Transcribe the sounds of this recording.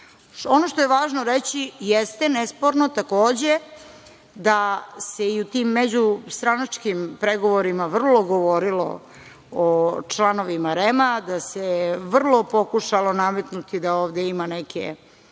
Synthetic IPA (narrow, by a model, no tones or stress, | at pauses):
o̞noʃt̪ojeʋaːʒnoɾet͡ɕijest̪enespoɾno̞t̪akoːd͡ʑe | d̪aseiut̪iːmːed͡ʑust̪ɾanat͡ʂkimpɾeɡo̞ʋoɾimaʋr̩lˠo̞ɡoʋo̞ɾilo̰ | ot͡ʃlano̞ʋimaɾemad̪aseʋr̩lˠo̞po̞kuʃalo̞name̞t̪nut̪id̪aoːʋd̪eimanekḛ